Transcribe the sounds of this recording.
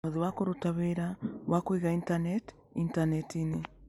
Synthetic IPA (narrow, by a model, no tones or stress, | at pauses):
oðiwakoɾotaβeɾawʔakwiɣaintanɛt | intanɛtine